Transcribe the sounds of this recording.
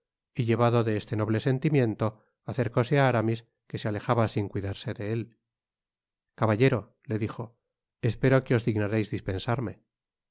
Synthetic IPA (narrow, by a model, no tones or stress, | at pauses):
iʎe̞β̞aðo̞ðe̞est̪e̞no̞β̞le̞se̞nt̪imje̞nt̪o̞ | aθe̞ɾko̞seaaɾamis | ke̞seale̞xaβasiŋkwiðaɾse̞ðe̞el | kaβaʎe̞ɾo̞ | le̞ðixo̞ | espe̞ɾo̞keo̞zðiɣnaɾejzðispe̞nsaɾme̞